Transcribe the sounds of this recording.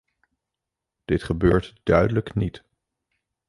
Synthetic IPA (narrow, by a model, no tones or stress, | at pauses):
d̥ɪtχəbøːɹtd̥œɥdələknit